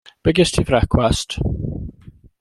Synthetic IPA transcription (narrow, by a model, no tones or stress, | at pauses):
b̥ɛɡɪstʰivrɛkʰwast